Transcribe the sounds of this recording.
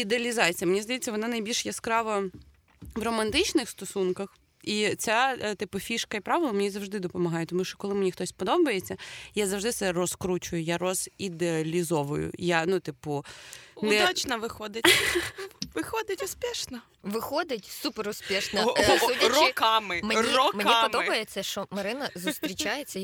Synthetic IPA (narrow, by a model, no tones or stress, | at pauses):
id̪eɐlʲizɑt͡sʲijɐmenʲizd̪ɐjet͡sʲːɐʋɔnɑnɐjbʲilʲʃjɛskɾɑʋɐ | wrɔmɐnt̪ɪt͡ʃnɪxst̪ɔsunkɐx | it͡sʲat̪ɪpʊfʲiʃkɐipɾɑʋɪlˠɐmenʲizɐwʒd̪ɪd̪ɔpɔmɐɦɑjɛt̪ɔmuʃt͡ʃɔ̥kɔlˠɪmenʲixt̪ɔsʲpɔd̪ɔbɐjet͡sʲːɐjazɐwʒd̪ɪt̪sɛrɔskɾut͡ʃʊjʊjarɔz̥id̪eɐɐlʲizɔʋʊ̰jʊ̰janut̪ɪpʊndɛat͡ʃnɐʋɪxɔd̪ɪt | ʋɪxɔd̪ɪtʲʊspʲɛʃnɐ | ʋɪxɔd̪ɪtʲsupeɾʊspʲiʃnɐurɔkɑmɪmerɔmnkipɔd̪ɔbɐjet͡sʲːɐʃt͡ʃɔmɐɾɪnɐzst̪ɾʲit͡ʃajet͡sʲːɐ